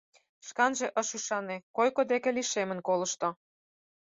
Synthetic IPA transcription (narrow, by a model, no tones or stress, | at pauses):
ʃkɑnʒeʔə̆ʃuʃɑnekojkod̪ekĕliʃemə̆nkolə̆ʃt̪o